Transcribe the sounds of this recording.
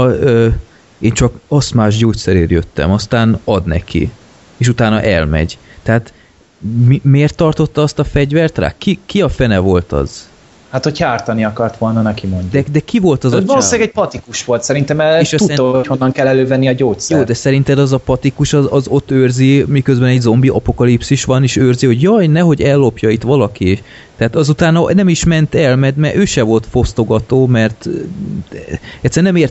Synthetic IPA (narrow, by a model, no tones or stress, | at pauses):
øː | eːnt͡ʃɒkɒst̪maːʒɟoːt̪sɛɾeːrjøt̪ːɛ̰mɒst̪aːnɒd̪nɛ̰kʰḭ | eːʃut̪aːnɒ̰ʔɛ̰lmɛ̰ɟt̪ɛɦaːt̪ | mimeːrt̪ːɒrt̪o̞t̪ːɒɒst̪ɒfɛɟvɛrt̪ra̰ːkikiɒfɛnɛvo̞lt̪ɒ̰z̥ | hat̪ho̞cʰaːrt̪ɒniɒkɒrt̪ʋo̞lnɒnɛkimoɲɟd̪ɛd̪ɛkivo̞lt̪ɒzɒloʃilaɡɛɟ̚pɒt̪ikuʃʋo̞lt̪sɛɾint̪ɛmɛʃuhonːɒŋkɛlːɛløːvɛnːiɒɟoːcsɛjjoːd̪ɛsɛɾint̪ɛd̪ɒzɒpɒt̪ikuʃɒzɒzo̞t̪ːøːrzimikøzbɛnɛɟzo̞mbiʔɒ̰po̞kɒlipsiʃʋɒneːʃøːrziho̞ɟjɒjnɛɦo̞ɟɛlːo̞pjɒit̪ʋɒlɒkieʃ | t̪ɛaːt̪ɒzut̪aːnɒnɛmiʃmɛnt̪ɛlmɛmɛʔøːʃɛvo̞lt̪fo̞st̪o̞ɡɒt̪oːmɛrt̪ | ɛt̪sːɛrnɛmeːrt̪